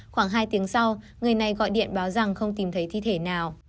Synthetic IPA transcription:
xwaː˧˩ŋɦaː˧jt̪i˨˦əŋsa˧w | ŋɨ˨˩əjna˨˩jɣɔ̰˧˨jɗḭ˧˨ənɓaː˨˦wza˨˩ŋxə˧wŋ͡mt̪i˨˩mt̪ʰə˨˦jt̪ʰi˧t̪ʰe˧˩naː˨˩w

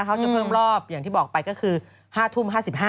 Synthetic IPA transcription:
kʰa˥wt͡ɕa˨˩pʰɤː˥˩mɾɔː˥˩p̚jaː˨˩ŋt̪ʰiː˥˩bɔː˨˩k̚pa˧jkɔː˥˩kʰɯː˧ | haː˥˩t̪ʰu˥˩mɦaː˥˩si˨˩p̚haː˥

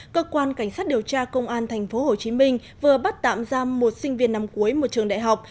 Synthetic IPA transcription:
kəː˧kwaː˧nka˧˩jŋ̟sa˦˥t̚ɗi˨˩əwt͡ɕaː˧kə˧wŋ͡mʔaː˧nt̪ʰa˨˩jŋ̟fo˨˦ɦo˨˩t͡ɕi˨˦mï˧ŋ̟ | vɨ˨˩əɓa˦˥t̚t̪a̰ː˧˨mzaː˧mo˨˩t̚sï˧ŋ̟vi˧˩ənːa˧mku˨˦əjmo˨˩t̚t͡ɕɨ˨˩əŋɗa̰ː˧˨jɦa˨˩wk͡p̚

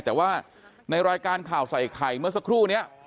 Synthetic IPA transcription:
t̪ɛː˨˩waː˥˩ | na˧jɾaː˧jkaː˧nkʰaː˨˩wsa˨˩jkʰa˨˩jmɯ˥˩ɐsa˧˥kʰɾuː˥˩ni˦˥ɐ

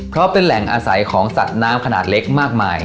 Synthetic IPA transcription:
pʰɾɔ˦˥pe˧nlɛ˨˩ŋʔaː˧sa˩˦jkʰɔː˩˦ŋsa˨˩t̪̚naː˦˥mkʰa˧na̰ː˨˩t̪̚le˦˥k̚maː˥˩k̚maː˧j

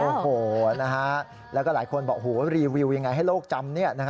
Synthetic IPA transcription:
ʔoː˨˩hoː˨˩na˦˥kʰa˦˥ | lɛ˦˥kɔː˥˩laː˩˦jkʰo˧nbɔː˨˩k̚ɦuː˩˦˥ɾiː˧wi˧wja˧ŋːa˧jɦa˥˩jloː˥˩k̚t͡ɕa˧mni˥˩ɐna˦˥kʰa˦˥

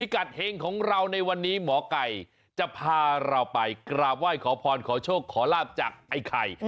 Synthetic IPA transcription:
pʰi˦˩ka˨˩t̪̚heː˧ŋkʰɔː˩˦ŋɾa˧wna˧jwa˧nːiː˦˥mɔː˩˦ka˨˩j | t͡ɕa˨˩pʰaː˧ɾa˧wpa˧jkɾaː˨˩p̚waː˥˩jkʰɔː˩˦pʰɔː˧nkʰɔː˩˦t͡ɕʰoː˥˩kʰːɔː˩˦laː˥˩p̚t͡ɕaː˨˩k̚ʔa˧jkʰa˧˩j

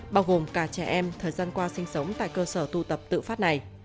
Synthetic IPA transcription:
ɓaː˧wɣo˨˩mkaː˧˩t͡ɕɛ˧˩ʔɛ˧mt̪ʰəː˨˩jzaː˧nkwaː˧sï˧ŋ̟sə˨˦wŋ͡mt̪a̰ː˧˨jkəː˧səː˧˩t̪u˧t̪ə˨˩p̚t̪ɨ̰˧˨faː˦˥t̚na˨˩j

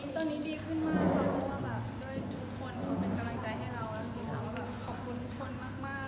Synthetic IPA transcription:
i˦˥t̪ɔː˧nːiː˦˥diː˧kʰɯ˥˩nmaː˥˩kːa˦˧˩ɔ˧˦waː˥˩bɛː˨˩p̚du˥˩əjt͡ɕʰu˧˦˧kʰo˧nʰɔ˧˩pe˧nka˧mla˧ŋt͡ɕa˧jɦa˧˥˩jɾa˧waː˦˥˧t̪ʰi˧˩k̪ʰaː˧˩waː˥˩kaː˧˩kʰɔː˨˩p̚kʰu˧nt̪ʰu˦˥k̚ʰo˧nmaː˥˩k̚maː˥˩

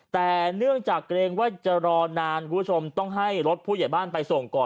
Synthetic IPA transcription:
t̪ɛː˨˩nɯ˥˩əŋt͡ɕaː˨˩k̚ːɾeː˧ŋwaː˥˩t͡ɕa˨˩ɾɔː˧naː˧nkʰu˧˦˥t͡ɕʰo˧mt̪ɔ˥˩ŋɦa˥˩jɾo˦˥t̪̚pʰuː˥˩ja˨˩jbaː˥˩npa˧jso˨˩ŋkɔː˨˩

